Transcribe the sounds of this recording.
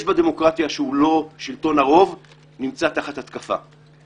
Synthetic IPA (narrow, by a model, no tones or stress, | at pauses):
ʃbad̪e̞mo̞kʁat̪jaʃeulo̞ʃilt̪o̞naʁo̞v | nimt͡sat̪aχat̪hat̪kafa̰